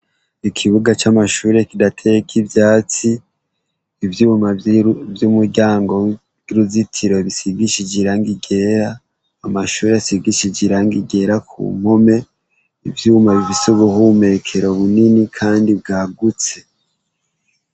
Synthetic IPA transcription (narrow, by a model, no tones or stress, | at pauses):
ikʰiβuɡat͡ʃamaʃuːɾe̞kidatʰekʰibjaːt͡siː | vjuːmavjumuɾɟaːŋɡo̞ | ɾuzitʰiɾo̞βisiɡiʃid͡ʒiɾaŋɡiɡe̞ɾaː | maʃuːɾeasiɡiʃid͡ʒiɾaŋɡiɡe̞ɾakʰṵːm̥ho̞me̞ | ivjuːmaβiβisuβuɦume̞kʰeɾoβuninikʰaːndib̚ɡaːɡut͡se̞